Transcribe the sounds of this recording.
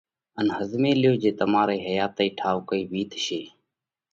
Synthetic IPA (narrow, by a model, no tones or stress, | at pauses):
ənhəzmeːlɪjoːd͡ʒeːt̪əmaːɾeːɦəjaːt̪əiːʈʰaːʋokəiːʋiːt̪ʃeː